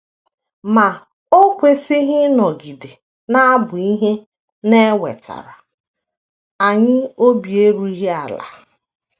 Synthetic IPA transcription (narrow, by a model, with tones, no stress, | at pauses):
ma˨ | o˦kʷe˨si˦ɦɪ˦nɔ˨ɡi˨de˨ | na˦a˦bʊ˨i˦ɦe˦ | ne˦we˨ta̰˨ɾa˨ | a˨ɲɪ˦o˦bje˦ɾu˦i˦ɦe˦a˨la̰˨